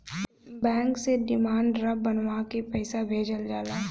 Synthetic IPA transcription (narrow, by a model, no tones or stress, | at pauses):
bɛ̃ːŋkseɖɪmaːɳɖɾɐbbənʋakipɛɪsabʱeːd͡ʒəld͡ʒaːlaː